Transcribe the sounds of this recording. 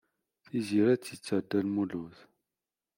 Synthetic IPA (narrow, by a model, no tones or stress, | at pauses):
θiziɾæt͡sːjit͡sːæd̪ːælmuluθ